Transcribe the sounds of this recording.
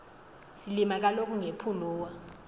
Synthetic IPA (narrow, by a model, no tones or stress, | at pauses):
silimak̬alokʰʼuŋepʰuluːwa